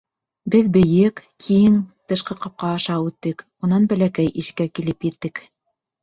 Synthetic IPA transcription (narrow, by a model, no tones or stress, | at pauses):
bɘðbɘ̆jɘkːʰiŋt̪ɤ̆ʃqɤqɑp̚qɑːʃɑʉt̪ːɘk | unɑnbæ̆lækæjʔiʃɘ̥̆kːækilɘpjɘ̆t̪ːɘk